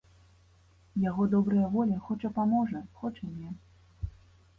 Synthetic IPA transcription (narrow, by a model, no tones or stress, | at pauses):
jaɣɔd̪ɔbɾɨjɐvɔlʲixɔt͡ʂɐpamɔʐnɐxɔt͡ʂinʲɛ